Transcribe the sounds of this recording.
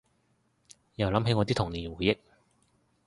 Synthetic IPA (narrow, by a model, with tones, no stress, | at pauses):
jɐ˨wlɐ˨˥mɦe˧jŋɔ˨˧t̪i˥t̪ʰʊ˨˩ŋnliː˨˩nwuː˨˦jɪ˥k̚